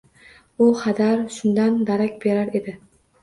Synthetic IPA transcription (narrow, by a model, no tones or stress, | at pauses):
ʊqʰɑd̪aɾʃʊnd̪and̪aɾakʲb̥e̞ɾaɾe̞d̪ɪ